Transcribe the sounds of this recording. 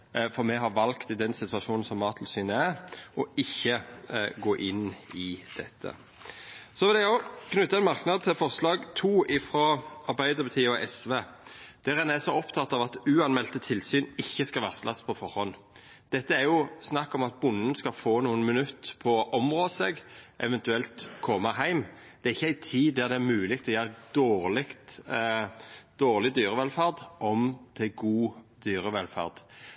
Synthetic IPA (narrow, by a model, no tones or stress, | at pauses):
fɔɾmɛɦɑɾʋɑlkt̪ɪd̪ɛnsɪt̪ʉɑʃuːnn̩sɔmːɑːt̪ʰlsyːnəæɾʔɔɪçːəɡoːʔɪnːɪd̪̥ɛt̪ʰːə̰ | sɔʋɪlæɡɔknʉt̪ːɑɛnmɑʁknɑd̪̚t̪ʰɪlfɔʁslɑːɡt̪ʰuːɪfɾoːɑɾbæɪd̪əɾbɑt̪ʰiːɔʔɛsʋeː | d̪̥æʁɛnæsɔɔpt̪ʰɑt̪ːɑʋɑt̪ʉːɑnmɛlt̪ət̪ʰɪlsyːnɪçːəskɑʋæːʁslʔɑspʰɔfɔʁhɔn | d̪̥ɛt̪ːəæɾjʊsnɑkːɔmɑt̪̚bʊnːənskɑlfoːnuːənmɪnʉt̪ːpʰɔʔɔmʁoːd̪seɡʔɛ̰ʋɛnt̪ʉɛlt̪kʰɔməɦæɪm | d̪̥ɛæːʁɪçːəæɪt̪ʰiːd̪æʁd̪ɛæɾmʉːlɪɡ̚t̪ʰɔjæːʁd̪̥oːʁlɪkt̪ | d̪̥oːʁlɪd̪yːʁəʋɛlfæʁd̪ʔɔmd̪ʰɪɡuːd̪̥yːʁəʋɛlfæ̰ʁd̪̥